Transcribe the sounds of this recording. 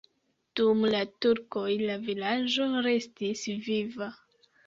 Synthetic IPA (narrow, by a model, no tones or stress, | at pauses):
d̥umlatuɾko̞jlavilad͡ʒo̞ɾe̞stisviva